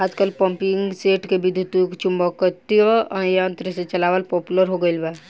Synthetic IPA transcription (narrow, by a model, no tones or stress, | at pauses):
aːd͡ʒkəlpə̃mpiŋɡɡseːʈkebid̪ʱːut̪ukt͡ʃumbɔkət̪ioə̃jant̪ɾəset͡ʃəlaʋəlpɔpuləɾɦoɡəɪlba